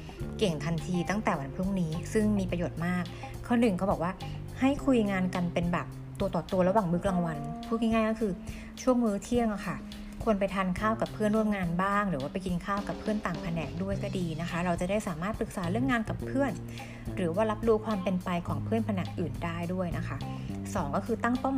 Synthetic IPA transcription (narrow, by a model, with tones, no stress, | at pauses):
ke˨˩ŋt̪ʰa˧nt̪ʰiː˧t̪a˥˩ŋt̪ɛː˨˩wa˧npʰu˥˩ŋniː˦˥sɯ˥˩ŋmiː˧pɾa˧joː˨˩t̪̚maː˥˩k̚ʰː | ɔː˧˥˩nɯ˨˩ŋkʰɔ˦˥bɔː˨˩waː˥˩ | ha˥˩jkʰu˧jŋaː˧nka˧npe˧nbɛː˨˩p̚ | t̪u˧ət̪ɔː˨˩t̪u˧ɐɾa˧waː˨˩ŋmɯ˦˥k̚laː˧ŋwa˧npʰu˥˩k̚ŋɲi˥ŋaː˥˩jkɔː˦˥kʰɯː˧ | t͡ɕʰu˥˩əŋmɯː˨˦˥t̪ʰi˥˩əŋʔa˨˧˩kʰa˥˩ | kʰu˧ənpa˧jt̪ʰaː˧nkʰaː˥˩wka˨˩pʰɯ˥˩ənɾu˥˩əmŋaː˧nbaː˥˩ŋɾɯː˩˦waː˥˩pa˧jki˧nkʰaː˥˩wka˨˩pʰːɯ˥˩ənt̪aː˨˩ŋpʰa˧nɛː˨˩k̚du˥˩əjkɔ˥˩diː˧na˦˥kʰa˦˥ɾa˧wt͡ɕa˨˩da˥˩jsaː˩˦maː˥˩t̪̚pɯ˨˩k̚saː˩˦ɾɯ˥˩əŋːaː˧nka˨˩pʰɯ˥˩ən | ɾɯː˩˦waː˥˩la˦˥p̚duː˧˥kʰwaː˧mpe˧npa˧jkʰɔː˩˦ŋpʰɯ˥˩ənpʰa˧na˨˩˦ŋʔɯː˨˩ndaː˥˩jdu˥˩əjna˦˥kʰa˦˥sɔː˩˦ŋkɔː˥˩kʰɯː˧t̪a˥˩ŋp̪ɔ˥˩m